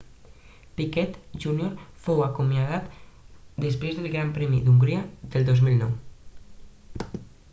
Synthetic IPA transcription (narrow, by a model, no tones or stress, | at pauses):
pikɛt̪ʒunioɾfowakumjaðat̪d̪es̬pɾezðelˠɡɾampɾɛmḭd̪uŋɡɾiad̪elˠd̪ozmilnɔw